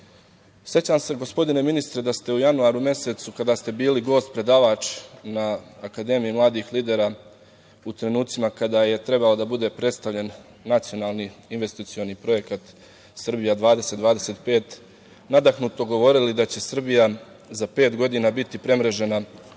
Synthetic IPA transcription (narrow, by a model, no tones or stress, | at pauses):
sje̞t͡ɕaːmse̞ɡo̞spo̞d̪ine̞minist̪ɾe̞d̪ast̪e̞ujanuaːɾume̞set̪sukad̪aːst̪e̞biːliɡo̞ːst̪̚pɾe̞d̪aːʋat͡ʃnaːkad̪e̞ːmijimlˠaːd̪ixliːd̪e̞ɾa | ut̪ɾe̞nuːt̪simakad̪aːje̞t̪ɾe̞balo̞d̪abud̪e̞pɾet̪st̪aʋʎe̞nː | at̪sio̞naːlˠniinʋe̞st̪it̪sio̞nipɾo̞je̞kat̪ | sr̩bijad̪ʋaːd̪e̞set̪d̪ʋaːd̪ese̞ːt̪pe̞ːt̪ | nad̪axnut̪o̞ɡo̞ʋo̞ɾilid̪at͡ɕe̞sr̩bija | zape̞ːt̪ɡo̞d̪inaːbit̪ipɾe̞mɾe̞ʒe̞na